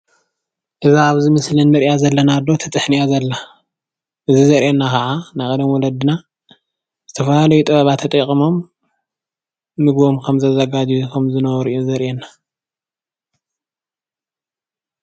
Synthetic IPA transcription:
ʔɨzaaβzɨmɨslɨnmɨɾjazɐlːɐnad̪o̞t̪ʰɐt̪ʼɨħnijazɐlːa | ʔɨzizɐɾʔenːakɐʕanajkʼɐd̪ɐmwɔlɐd̪ɨna | z̥ɨt̪ʰɐfɐlalɐjut̪ʼɨβɐβat̪ʰːɐt̪ʼɐkʼimo̞m | ɨɡbo̞mkʰɐmzɐzɐɡad͡ʒjukʰɐmzɨnɐβɐɾʔijozɐɾʔenːa

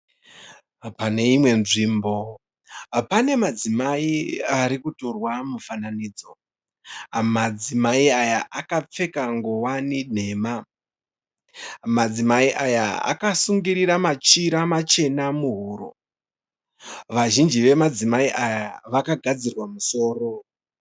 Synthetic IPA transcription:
pane̞imwe̞nʐiːmbo̞ | pane̞mad͡zimaiaɾikuto̞rwamufananiːd͡zo̞ | mad͡zimaiajaʔakap͡fe̞kaŋɡowanin̤e̞ːma | mad͡zimaiʔajaa̰kasuŋɡiɾiɾamat͡ʃiɾamat͡ʃe̞namuɦuɾo̰ | ʋaʒind͡ʒiʋe̞mad͡zimaiʔajaʋakaɡʱad͡zirwamuso̞ːro̞

